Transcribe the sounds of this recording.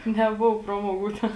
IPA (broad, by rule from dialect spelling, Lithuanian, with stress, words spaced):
nʲɛˈboːʋoː ˈprɑːmoːˌɡuː ˈtʲɛn